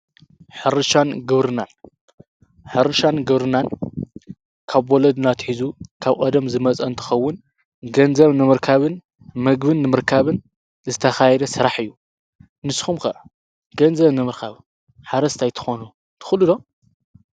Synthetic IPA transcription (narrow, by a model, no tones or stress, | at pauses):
ħɨɾɨʃanɡɨβɾɨnan | ħɨɾɨʃanɡɨβɾɨnan | kʰaβwolɐd̪nat̪ħizukʰaβkʼɐd̪ɐmzɨmɐt͡sʼɐnt̪ʰɐ̥xɐwːʊn | ɡɐnzɐβnɨmɨɾkʰaβɨn | mɐɡbɨnːɨmɨɾkʰaβɨn | zɨt̪ʰɐxajɛd̪ɐsɨɾaħɨjːu | nɨsxumkɐʔɐ | ɡ̥ɐnzɐβnɨmɨɾkʰaβ | ħaɾɐst̪ʰajt̪ʰɨ̥xonu | t̪ʰɨ̥xɨlːɨd̪o